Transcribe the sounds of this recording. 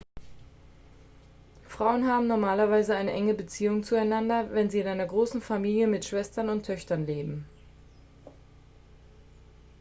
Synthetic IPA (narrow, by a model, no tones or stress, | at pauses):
fʁ̥aʊənɦaːbm̩nɔɐmaːlɐvaɪzəaɪnəʔɛŋəbət͡siːʊŋt͡suaɪnandɐvɛnziːɪnʔaɪnɐɡʁoːsn̩famiːljəmɪtʃv̥ɛstɐnʊntʰœçtɐnleːbm̩